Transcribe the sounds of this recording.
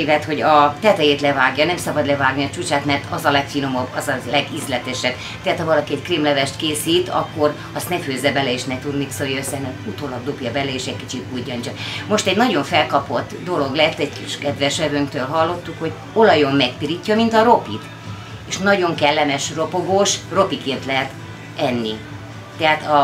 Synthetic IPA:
ivɛt̪ho̞ɟɒt̪ɛt̪ɛjeːt̪lɛvaːɡjɒnɛmsɒbɒd̪lɛvaːɡniɒt͡ʃuːt͡ʃaːt̪mɛrt̪ɒzɒlɛkfiːno̞mobɒzɒzlɛɡizlɛt̪ɛʃɛb̥ | t̪ɛɦat̪hɒvɒlɒkiɛckriːmlɛvɛʃt̪keːsiːt̪ɒ̰kːo̞r | ɒst̪nɛføːzːɛbɛlɛeːʃnɛt̪ud̪miksojøsɛnɛut̪oːlɒɡ̚d̪opjɒbɛlɛeːʃɛcki̥t͡ʃit̪ujɒɲt͡ʃɒmo̞ʃt̪ɛɟnɒɟo̞ɱfɛlkɒpo̞t̪ːd̪o̞lo̞ɡlɛɛt̪ːɛɟkiʃkɛd̪ʋɛʃɛvøŋkt̪øːlɦɒlːo̞t̪ːukho̞ɟ | o̞lɒjomːɛkpiɾicːɒmint̪ɒɾo̞pḭt̪ | eːʃnɒɟo̞ŋkɛlːɛmɛʃro̞poɡoːʃro̞pikeːnt̪lɛɦɛt̪ | ɛnːi | t̪ɛɦaːt̪ɒ

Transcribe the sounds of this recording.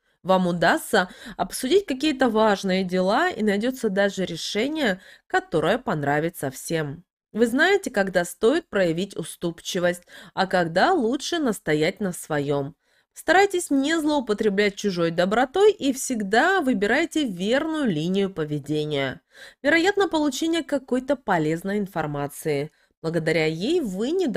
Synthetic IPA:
vamʊd̪ast̪səɐpsʊdʲitʲkɐk̬ʲijət̪̬əvaʐnɨjədʲɪlˠaḭnɐjdʲo̞t̪səd̪aʐɨɾʲɪʂɛnʲɪjəkɐt̪o̞ɾəjəpɐnɾavʲɪt̪səfsʲe̞m | vɨznajɪtʲɪkɐɡd̪ast̪o̞jɪt̪̚pɾəjɪvʲitʲʊst̪upt͡ɕːɪvəsʲtʲɐkɐɡd̪alˠutʂɨnəst̪ɐjæt̚ʲnəsvɐjo̞m | pst̪ɐɾajtʲɪsʲnʲɪzlˠəʊpət̪ɾʲɪblʲæt̚ʲt͡ɕʊʐo̞jd̪əbɾɐt̪o̞jʔifsʲɪɡd̪avɨbʲɪɾajɪtʲɪvʲe̞rnʊjʊlʲinʲɪjʊpəvʲɪdʲenʲɪjəvʲɪɾɐjat̪nəpəlˠʊt͡ɕenʲɪjəkɐko̞jt̪əpɐlʲe̞znəjɪnfɐrmat̪sɨɪ | b̥lˠəɡəd̪ɐɾʲajejvɨnʲɪd̪

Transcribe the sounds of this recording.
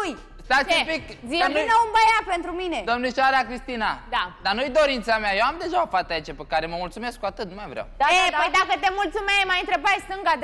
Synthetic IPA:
uj | st̪at̪sumpikziinəumbəjapent̪ɾumine̞d̪omneʃaɾakɾist̪inad̪ad̪anujd̪o̞ɾint̪sameajewamd̪e̞ʒaofat̪ait͡ʃapekaɾeməmult̪sume̞skːuat̪ɨt̪̚numajvɾja̰waeəjd̪akət̪e̞mult̪sumejmajɨnt̪ɾe̞bajst̪ɨŋɡad̪

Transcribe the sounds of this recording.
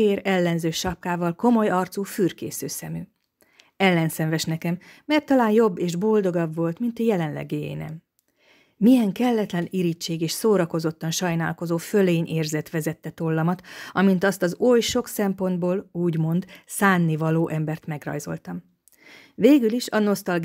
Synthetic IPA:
eːɾɛlːɛnzøːʃɒp̚kaːvɒlko̞mo̞jɒrt̪suːfyːrkḛːsøːsɛmy | ɛlːɛnsɛɱvɛʃnɛkɛmːɛrt̪ːɒlaːnjo̞bːeːʒbo̞ld̪o̞ɡɒbvo̞lt̪mint̪jɛlɛnlɛ̰ɡḛːnɛ̰m | mijɛŋkɛlːɛt̪lɛniɾit͡ʃːeːɡeːʃsoːɾɒko̞zo̞t̪ːɒnʃɒjna̰ːlko̞zoːføleːɲʔeːrzɛt̪ʋɛzɛt̪ːɛt̪olːɒmɒt̪ɒmint̪ɒst̪ɒzojʃo̞ksɛmpo̞nd̪boːluːɟmo̞nd̪saːnːivɒloːʔɛmbɛrt̪mɛɡrɒ̰jzo̞̰lt̪ɒm | veːɡyliʃɒno̞st̪ɒlɡ

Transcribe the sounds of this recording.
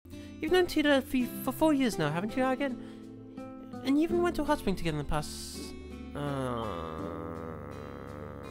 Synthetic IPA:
jɨvnõʊ̃ntʰiɾəfəfəfɔɹjɪɹznaʊɦæṽn̩t͡ʃɨaɡɛ̃n | ɨ̃njɨiṽn̩wɛ̃ntʰəɦʌsbɪ̃ŋtʰɨɡɛɾn̩ðəpʰas | ʌ

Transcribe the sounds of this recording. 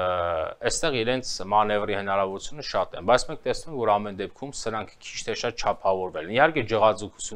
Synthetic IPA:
ɛst̪ɛʁiɾɛnt͡sʰmɑnɛvrihənɑɾɑvɔɾut͡sʰjunəʃɑt̪ɛ̰nbɑjt͡sʰmɛŋk̚ʰt̪ɛsnumɛŋkʰvɔɾɑmɛnd̪ɛp̚kʰumsəɾɑŋkʰkʰi̥t͡ʃʰt̪ʰɛʃɑt̪̚t͡ʃʰɑpʰɑvɔɾvɛlɛnihɑɾkɛd͡ʒəʁɑt͡sukʰu̥t͡sʰju

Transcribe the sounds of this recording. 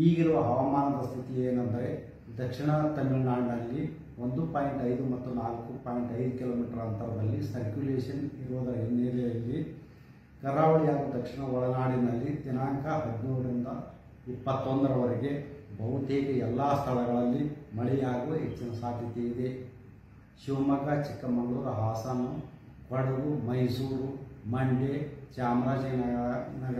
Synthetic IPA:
iːɡiɾuʋɐɐʋɐmaːnɐp̪ɐst̪ʰit̪ieːnɐnd̪ɐɾe̞ | d̪ɐkʂiɳɐt̪ɐmilnaːɽnɐlːi | ond̪upaːjiɳʈɐjd̪umɐt̪ːunaːlkupaːjiɳʈɐjd̪ukilo̞ːmiːʈɐɾɐnt̪ɐɾɐd̪ɐlːisɐɾkjuleːʂɐniɾuʋɐd̪ɐɾɐɦenːeɾijɐlːi | kɐɾːaːʋɐɭijaːɡud̪ɐkʂiɳɐɔɭɐnaːɽinɐlːit̪inaːŋkɐɦɐd̪inuːɾuɾind̪ɐ | ipːɐt̪ːond̪ɐɾɐʋɐɾeɡe̞bɐʋut̪eːkeɛlːaːst̪ʰɐlɐɡɐɭɐlːimɐɭɛjaːɡuʋɦet͡ʃːinɐsaːd̪ʱjɐt̪eid̪e̞ | ʃiʋɐmɐɡat͡ʃikːɐmɐɡɡɭuɾɐɦaːsaːnu | kɐɽeɡumɐjsuːɾumɐɳɖet͡ʃaːmɾaːd͡ʒɐnnɐ

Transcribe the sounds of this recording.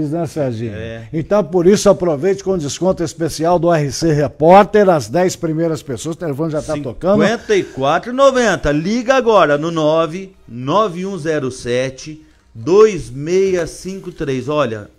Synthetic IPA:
iznɐ̃saʒd͡ʒĩɲɐɛẽt̪ɐ̃w̃poɾisʊapɾovejt͡ʃɪ̥kõd͡ʒɪskõnt̪ʊispesiawd̪ʊɛhɪseɦepɔɾt̪eɾɐzd̪ɛjspɾimejɾɐspesoɐst̪elefõnʊʒat̪at̪okɐ̃d̪ʊẽnt̪ɐikwat̪ɾʊnovẽnt̪ɐliɡɐaɡɔɾɐnʊnɔvɪnɔvɪũzɛɾʊsɛt͡ʃɪ | d̪ojzmejɐsĩkʊt̪ɾejzɔʎɐ̰

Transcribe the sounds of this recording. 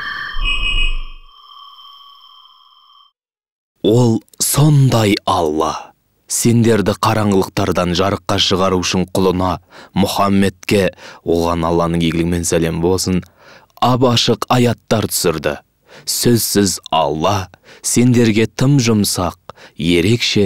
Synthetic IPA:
wo̞lˠ | so̞nd̪ɑjɑlˠːɑ | se̞nd̪e̞ɾd̪ɪqʰɑɾɑɴʁəlˠəq̚t̪ɑɾd̪ɑnʒɑɾəqːɑʃəʁɑɾuʏʃɪɴqʰʊlˠənɑmʊχɑmːe̞t̪kʲe̞wo̞lˠʁɑnɑlˠːɑnəɴjeɡɪlɡʲɪme̞nsæle̞mbo̞lˠsən | ɑbɑʃəqɑjɑt̪ːɑɾt̪ʰʏ̥sɪɾd̪ɪ̰ | sɵzsɪzɑ̰lˠːɑse̞nd̪e̞ɾɡʲe̞t̪ʰəmʒʊmsɑq̚je̞ɾe̞kʃe̞

